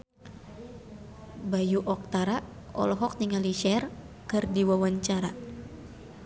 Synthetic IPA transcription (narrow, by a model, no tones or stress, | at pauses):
bajuʔɔk̚t̪aɾa | ɔ̰lɔɦɔk̚niŋaliʃɛr | kɨrdiwawaɲt͡ʃaɾa